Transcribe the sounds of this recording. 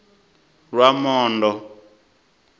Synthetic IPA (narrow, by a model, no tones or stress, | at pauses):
rwamɔːndɔ